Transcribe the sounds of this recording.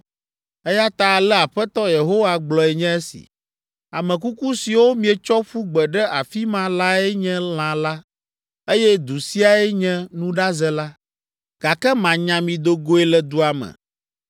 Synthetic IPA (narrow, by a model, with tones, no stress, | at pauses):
ɛ˦ja˦t̪a˨lɛ˦a˨ɸɛ˦t̪ɔ˦je˨ɦo˦wa˦ɡ͡blɔ˨ɛ˨ɲɛ̃˦e˦sḭ˨ | a˨mɛ̃˨ku˦ku˦si˨wo˦mĩ˨ɛ˨t͡ʃɔ˦ɸu˦ɡ͡bɛ˨ɖɛ˦ʔa˨fi˦mã˦la˦ɛ˦ɲɛ̃˦l̃ã˨la˦ | e˦jɛ˦d̪u˨si˦a˨ɛ˦ɲɛ̃˦nũ˦ɖa˦zɛ˦la˦ | ɡ̥a˨kɛ˦mã˨ɲã˨mĩ˨d̪o˨ɡo˦ɛ˦lɛ˨d̪u˦a˨mɛ̰̃˨